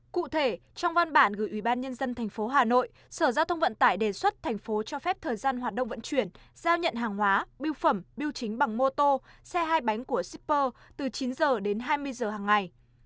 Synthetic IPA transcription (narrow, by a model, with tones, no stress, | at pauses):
kṵ˧˨t̪ʰe˧˩ | t͡ɕɔ˧wŋ͡mva˧nɓaː˧˩nɣɨ̰˧˩jʔi˧˩ɓaː˧nɲə˧nzə˧nt̪ʰɛ˨˩ŋ̟fo˨˦ɦaː˨˩no̰˧˨j | səː˧˩zaː˧wt̪ʰə˧wŋ͡mvə̰˧˨nt̪a̰ː˧˨jɗe˨˩swə˦˥t̚t̪ʰɛ˨˩ŋ̟fo˨˦t͡ɕɔ˧fɛ˦˥p̚t̪ʰəː˨˩jzaː˧nɦwaː˨˩t̚ɗə̰˧˨wŋ͡mvə̰˧˥nt͡ɕwi˧˩ənz̥aː˧wɲə̰˧˨nɦaː˨˩ŋhwaː˨˦ɓi˧wfə˧˩mɓi˧wt͡ɕï˨˦ŋ̟ɓa˨˩ŋmo˧t̪o˧sɛ˧ɦaː˧jɓa˨˦jŋ̟ku˧˩əsi˦˥pːəː˧t̪ɨ˨˩t͡ɕi˨˦nzəː˨˩ɗe˨˦nɦaː˧jmɨ˧əjzəː˨˩ɦaː˨˩ŋːa˨˩j